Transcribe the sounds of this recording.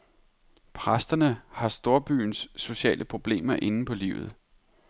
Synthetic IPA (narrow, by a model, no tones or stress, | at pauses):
pʰʁasd̥ɐnəhɑ̈sd̥o̝ɐb̥y̰ːnsːo̝ɕɛ̰ːlʔəpʰʁo̝b̥le̝̰ːmɐʔe̝nn̩pʰɒ̽lḭʊð̩ˠ